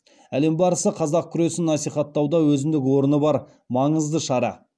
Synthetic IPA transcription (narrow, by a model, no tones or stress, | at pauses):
æle̞mbɑɾəsəqʰɑzɑq̚kʲʰʏɾe̞sɪnːɑsijχɑt̪ːɑwd̪ɑwɵzɪmd̪ɪkʲwo̞ɾənəbɑɾ | mɑɴəzd̪əʃɑɾɑ̰